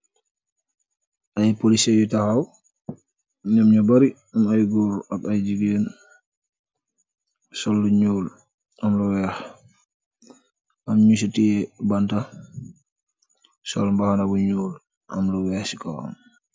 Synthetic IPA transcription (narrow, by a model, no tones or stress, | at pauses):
ʔajpolisɛjutahaw | ɲamɲɔbaɾi | amajɡɔɾabajd͡ʒiɡɛn | sɔlːɔɲuːl | amlɔwɛh | ʔamɲis̬utijɛbanta | sɔ̰lmbahanabɔɲuːl | ʔa̰mlɔwɛhsikɔwa̰m